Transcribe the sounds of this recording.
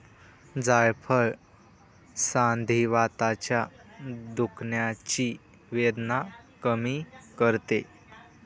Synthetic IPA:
d͡zajpʰəɭ | sãnd̪ʱiʋat̪at͡ɕjad̪ukʰɳjat͡ɕi | ʋed̪nakəmiːkəɾt̪e

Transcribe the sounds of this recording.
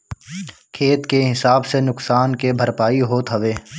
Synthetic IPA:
kʰeːt̪keɦɪsaːbsenʊksaːnkebʱɐɾpaːiɦoːt̪ɦɐʋeː

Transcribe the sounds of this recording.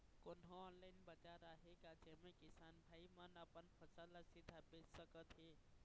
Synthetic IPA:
konɦoɔnlaɪnbəd͡ʒaɾaɦekad͡ʒemẽkisanbʱaimənəpənpʰəsalasid̪ʱabed͡ʒsəkət̪ɦe

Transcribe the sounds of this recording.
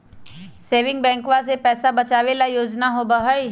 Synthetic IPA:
seːʋɪ̃ŋɡbɛ̃ːŋkʋas̬epɛːsabɐt͡ʃaːʋelajoːd͡ʒnaɦobɐɦəi

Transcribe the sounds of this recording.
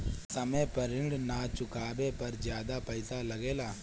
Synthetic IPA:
sɐmẽːpəɾɪ̃ɳɽnat͡ʃʊkaːbepɐɾzjaːd̪apɐɪsalɐɡeːlaː

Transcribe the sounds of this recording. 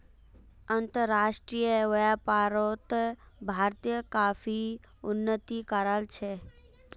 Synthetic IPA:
ənt̪əɾːaːʃʈɾijəʋapaːɾot̪bʱaːɾt̪ijəkaːfʰi | ʊnːət̪ikəɾəlt͡ʃʰe

